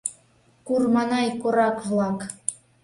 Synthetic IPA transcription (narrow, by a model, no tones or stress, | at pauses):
kurmɑnɑjkoɾɑkvlˠɑk